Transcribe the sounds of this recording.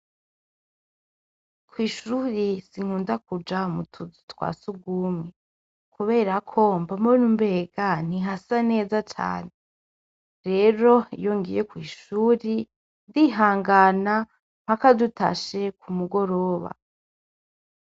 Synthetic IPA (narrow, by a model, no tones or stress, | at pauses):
kwiːʃuːɾisiŋ̥huːndakud͡ʒamutʰuzitwa̰ːsuɡuːmŋe | kuβe̞ːɾakʰo̞mbamuinumbe̞ːɡan̥iɦasane̞ːzat͡ʃa̰ːne | ɾe̞ːɾo̞ḭjoŋɡijekwiːʃuːɾi | diɦaːŋɡana | m̥akaduta̰ʃe̞kʰumuɡo̞ɾo̞ːβa̰